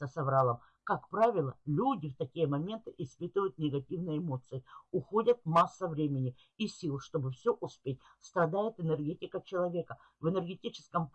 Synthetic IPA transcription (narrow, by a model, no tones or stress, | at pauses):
əsɐvɾalˠəm | kakpɾavʲɪlˠə̰lʲudʲɪft̪ɐkʲijəmɐmʲe̞nt̪ɨʔɪspɨt̪ɨvəjʊt̪nʲɪɡɐtʲivnəjəɪmo̞t̪sɨɪʊxo̞dʲət̪̚masːəvɾʲemʲɪnʲɪ | isʲilˠʂt̪o̞bɨfsʲoʔʊspʲet̚ʲ | st̪ɾɐd̪ajɪt̪ɨnərɡʲetʲɪkət͡ɕɪlˠɐvʲe̞kə | vɨnərɡʲɪtʲit͡ɕɪ̥skəm